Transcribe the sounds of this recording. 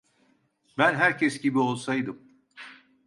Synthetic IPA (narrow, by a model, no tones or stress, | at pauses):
bænɦæɾcʰɛsɟibio̞lˠsajd̪ɯm